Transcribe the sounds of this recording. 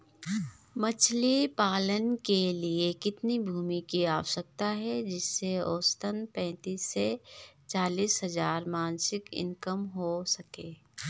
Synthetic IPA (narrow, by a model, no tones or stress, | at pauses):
mɐt͡ʃʰlipaːlənkeliekɪt̪nibʱuːmikiaːwsək̚t̪aɦɛd͡ʒɪsːeoːst̪ənpɛ̃ːt̪iːsːet͡ʃaːliːsɦɐzaːɾmaːnsɪkɪ̰̃ŋkəmɦosɐkeː